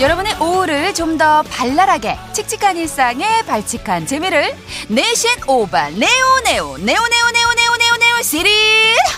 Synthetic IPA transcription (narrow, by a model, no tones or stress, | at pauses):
jʌɾʌbuneʔouɾɯɭt͡ɕomdʌpaɭːaɾaɡe̞t͡ɕʰik̚t͡ɕ͈ʰi̥kʰaɲiɭs͈aŋe̞paɭt͡ɕʰikʰant͡ɕemiɾɯɭ | neɕʰinoba̰neoneo̰neoneuneuneuneuneusiɾi